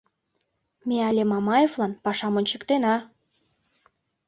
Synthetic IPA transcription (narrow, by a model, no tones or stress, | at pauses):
meɑlʲemɑmɑjevlɑnpɑʃɑmonʲt͡ɕə̆kt̪enɑ